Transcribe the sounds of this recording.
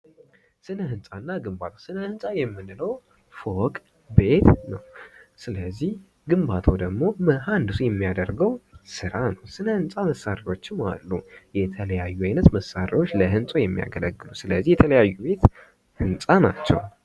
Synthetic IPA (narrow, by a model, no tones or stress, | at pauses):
sɨnəhɨnsʼanːaɡɨmbat̪ʰosɨnəhɨnsʼajɛmːɨnləw | fokʼ | be̞t̪nəwsɨləzːih | ɡɨmbat̪ʰod̪əɡmo̞məɦand̪ɨsujɛmːijad̪əɾɡəwsɨɾanəwsɨnəhɨnsʼaməsːaɾio̞t͡ʃːɪma̰lːujɛt̪ʰələjajːuajnət̪məsːaɾiwo̞t͡ʃːləɦɨnsʼojɛmːija̰ɡələɡːɨlusɨləzːihjɛt̪ʰələjajːube̞t̪ | hɨnsʼanat͡ʃːɛ̰w